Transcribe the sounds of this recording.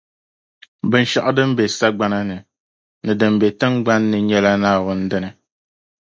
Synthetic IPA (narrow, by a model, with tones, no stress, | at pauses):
bɨ˦n˦ʃa˨ʔa˦dɨ˦m˦be˨sa˦ɡ͡ba˦na˦nɨ˨ | nɨ˨dɨ˨mbɛ˨tɨ˦ŋɡ͡ba˦nːɨ˨ɲɛ˦la˦naː˦wʊ˦n̩˦dɨ˦nɨ˨